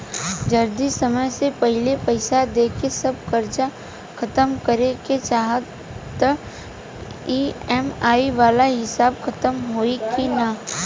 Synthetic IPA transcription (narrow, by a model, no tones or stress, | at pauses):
d͡ʒɐɾd̪isɐməjsepɐɦlepɛɪsad̪eːkesɐb̚kɐɾt͡ʃa | kʰɐt̪əmkɐɾeket͡ʃaːɦət̪ː | ə | iːɛmaːiʋaːlaɦɪsaːbkʰɐt̪əmɦoːikina